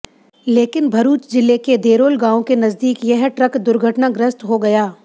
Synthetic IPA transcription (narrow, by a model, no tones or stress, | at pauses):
leːkɪnbʱɐɾuːt͡ʃd͡ʒɪlːeked̪eːɾoːlɡãːõkenɐzd̪iːkjɐɦʈɾɐkd̪ʊɾɡʱəʈnaɡɾɪst̪ɦoɡɐjaː